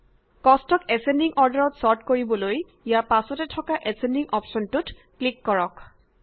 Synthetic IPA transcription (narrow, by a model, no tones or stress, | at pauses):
kɔstɔkɛsendiŋʔɔɹdaɹɔtsɔɹtkoɹibɔloj | ijapasɔtɛtʰɔkaʔɛsendiŋʔɔpsɔntut | klikːɔɹɔk